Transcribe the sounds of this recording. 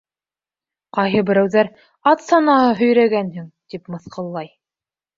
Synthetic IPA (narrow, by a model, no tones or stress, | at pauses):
qɑjɦɤbɘ̆ɾæwðæɾ | ɑt̪sɑnɑhɤɦɵ̆jɾæɡænhɘŋt̪ipmɤ̆θqɤ̆lˠːɑj